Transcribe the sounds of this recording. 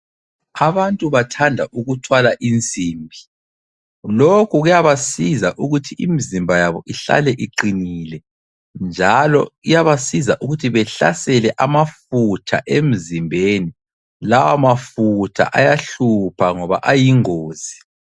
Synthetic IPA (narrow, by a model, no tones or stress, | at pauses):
aβantʼuβatʰandʱaʔuɣutʰwalaʔind͡zʼʱiːmbʱi | lokʰuɣujaβasizaʔuɣutʰiimizimbʱajaβɔʔiɬa̰lɛʔiǃinilɛ | nd͡ʒʱalɔ̰ijaβasizaʔuɣutʰiβɛɬa̰sɛlɛʔamafutʰa̰ʔem̩zimbʱeni | lawamafutʰa̰ʔajaɬupʰaŋɔβa̰ʔajiŋoːz̥i